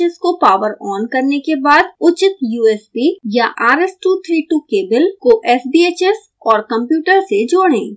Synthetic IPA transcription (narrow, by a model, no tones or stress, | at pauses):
ɪskopaːʋəɾɔːnkɐɾnekebaːd̪ʊt͡ʃɪt̪juːɛːspijaʔaːɾesʈuːt̪ʰɾiːʈuːkeːbəlkoʔɛːsbiːeːt͡ʃɛs | ɔːɾkɐ̃mpjuːʈəɾsed͡ʒoːɽḛ̃ː